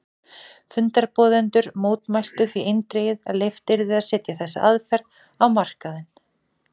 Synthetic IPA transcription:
fʏnt̪aɾpɔːðɪnt̪ʏɾmoːwt̪majst̪ʏθviejnt̪ɾeːjɪða̰ðlejft̪ɪɾðɪaðsɛːt̪jaθɛsːa̰ʔaðfɛɾð | awmar̥kaðɪn

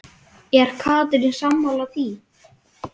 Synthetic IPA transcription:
jɛɛɾ̥kʰaːt̪̬ʏɾinsamhawlaθi

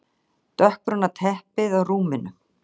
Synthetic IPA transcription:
t̪œhkɾʏnːat̪ʰɛhpɪðawruːmɪnʏ

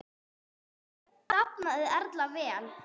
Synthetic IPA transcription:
t̪apnaðɪɛɾt̪lavɛːl

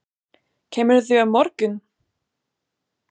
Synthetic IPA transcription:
cʰɛːmɪɾθʏavmɔɾcʏn

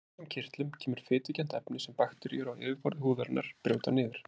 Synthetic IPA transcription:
amcʰɪr̥t̪lʏmcʰɛːmʏɾ̥fɪːt̪ɪcɛn̥t̪ɛpnɪsɛmpaxt̪ɪɾḭjʏɾawɪ̰ːvɪɾfɔɾðɪhuːðaɾnʔa̰ɾ̥pɾjœːwt̪anɪːðɪɾ̥

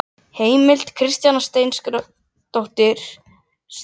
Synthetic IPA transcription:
heːjmɪl̥t̪kʰɾɪst̪janast̪eːjnsk | t̪owht̪ɪɾ̥ | s

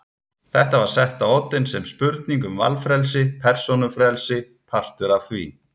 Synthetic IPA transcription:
θɛht̪avaɾ̥sɛht̪aowt̪ːɪnsɛmspʏɾt̪niŋkʏmva̰lfɾɛlsɪpʰɛr̥sonʏfɾɛlsɪ | pʰar̥t̪ʏɾavθvḭː

